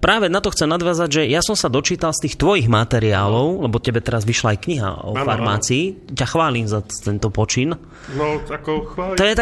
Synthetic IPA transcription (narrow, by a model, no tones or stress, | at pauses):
pɾaːʋɛnat̪ɔxt͡sɛmnad̪ʋjaːzaɟʒɛjasɔmsad̪ɔt͡ʃiːt̪alst̪iːxt̪ʋɔjiɣmat̪ɛɾiaːlɔʊlɛbɔcɛbɛt̪ɛɾazʋiʃlaːjkɲiɦa̰ɔ̰faɾmaːt͡siːcaxʋaːliːmzat̪ɛnt̪ɔpɔt͡ʃin | k̪ːɔjɛt̪a